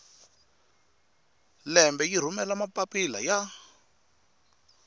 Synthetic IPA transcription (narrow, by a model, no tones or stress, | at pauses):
lɛmbɛjir̤umɛlamapapila̰ja